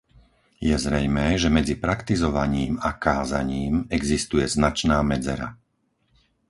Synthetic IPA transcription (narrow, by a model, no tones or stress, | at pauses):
jɛzɾɛjmɛːʒɛmɛd͡zipɾakt̪izɔʋaɲiːmakaːzaɲiːmɛɡzist̪ujɛznat͡ʃnaːmɛd͡zɛ̰ɾa̰